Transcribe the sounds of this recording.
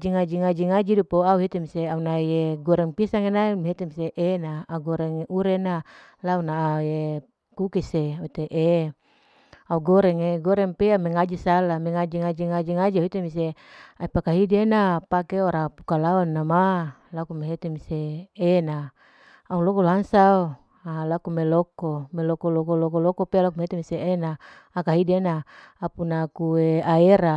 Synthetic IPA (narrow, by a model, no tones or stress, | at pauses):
d͡ʒiŋad͡ʒiŋad͡ʒiŋad͡ʒidupoauɦit̪emiseaunajeɡɔɾɛŋpisaŋenameɦet̪emiseʔenaːɡɔɾɛŋʔuɾena | launaːje | kukisewit̪eʔe | auɡɔɾɛŋeɡɔɾɛŋpeamɛŋad͡ʒisalameŋad͡ʒiŋad͡ʒiŋad͡ʒiŋad͡ʒiauɦit̪emis̬eaipakaɦidenapakeoɾapu̥kalaɔnːamalakumeɦet̪emiseːna | aulokoloɦaŋsao | alakumelokomelokolokolokolokopelakumeɦet̪emiseʔenaː | kaɦidenaapunakueaeɾa